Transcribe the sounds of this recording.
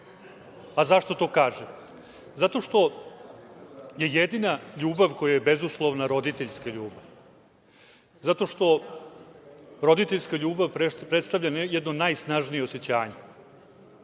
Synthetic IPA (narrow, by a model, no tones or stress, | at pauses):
azaʂt̪o̞t̪o̞ːkaːʒem | zat̪o̞ʂt̪o̞ | je̞jed̪inaʎuːbaʋko̞jajebezuslˠoʋnaɾo̞d̪it̪e̞ʎskaʎuːbav | zat̪o̞ʃt̪o̞ | ɾo̞d̪it̪eʎʲskaʎuːbaʋpɾepɾet̪st̪aʋlʎanjed̪nonajsnaʒnijeose̞t͡ɕaːɲe